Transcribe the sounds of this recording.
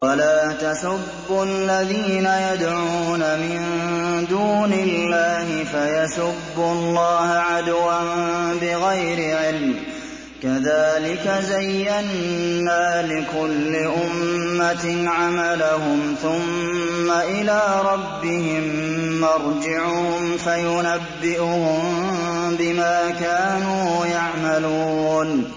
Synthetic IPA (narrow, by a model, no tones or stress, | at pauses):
walaːt̪asʊbːʊlːaðiːnajad̪ʕuːnamɪnd̪uːnɪlːaːɦɪfajasʊbːʊlˤːɑːhʕad̪wambɪɣajɾɪʕɪlm | kaðaːlɪkazajːanːaːlɪkʊlːɪʔʊmːat̪ʕamalahʊmθʊmːaʔɪlaːɾˤɑbːɪhɪmːɑɾˤd͡ʒɪʕʊhʊmfajʊnabːɪʔʊhʊmbɪmaːkaːnuːjaʕmaluːn